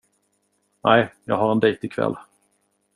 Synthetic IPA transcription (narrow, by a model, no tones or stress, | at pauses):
nʔæɪjɑ̰ːɡɦaɾɛnd̪ɛjt̪ɪkʰvɛ̰lː